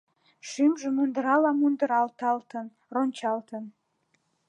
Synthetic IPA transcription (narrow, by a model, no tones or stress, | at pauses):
ʃymʒə̆mund̪əɾɑlɑmund̪əɾɑlt̪ɑlt̪ən | ronʲt͡ɕɑlt̪ən